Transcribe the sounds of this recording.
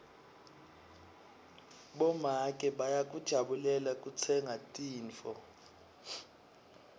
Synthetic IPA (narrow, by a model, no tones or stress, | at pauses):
ɓɔmakʼɛɓajak̬ʼud̥ʒ̥ʱaɓulɛlak̬ʼut͡sʰɛŋʱatʼiːnt͡fɔ